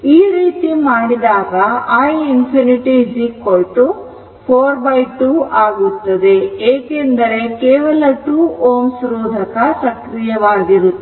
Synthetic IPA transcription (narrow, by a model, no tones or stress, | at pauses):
iːɾiːt̪imaːɽid̪aːɡɐaːjinpʰiniʈid͡ʒikːoɭʈu | pʰoːɾbɐjʈuːaːɡut̪ːɐd̪e̞eːkend̪ɐɾe̞keːʋɐlɐʈuːoːmsɾoːd̪ʱɐkɐsɐkɾijɐʋaːɡiɾu